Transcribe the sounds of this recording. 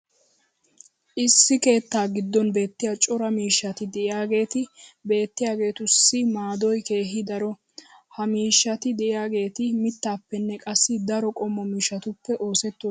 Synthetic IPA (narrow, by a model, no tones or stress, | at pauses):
ʔɪsːɪke̞ːt̪ːaːɡɪd̪ːɔnbe̞ːt̪ːɪjaːt͡ʃʼɔɾɐmiːʃːɐt̪ɪd̪ɛʔɪjaːɡe̞ːt̪ɪbe̞ːt̪ːɪjaːɡe̞ːt̪ʊsːɪmaːd̪ɔjke̞ːɦɪd̪ɐɾɔ | hɐmiːʃːɐt̪ɪd̪ɛʔɪjaːɡe̞ːt̪ɪmɪt̪ːaːpːɛnːɛkʼɐsːɪd̪ɐɾɔkʼɔmːɔmiːʃɐt̪ʊpːɛʔo̞ːsɛt̪ːo